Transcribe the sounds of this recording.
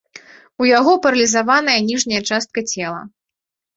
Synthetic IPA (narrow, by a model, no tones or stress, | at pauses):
ujaɣɔpɐɾɐlʲizavanɐjɐnʲiʐnʲɐjɐt͡ʂast̪̚kɐt͡sʲɛlˠɐ̰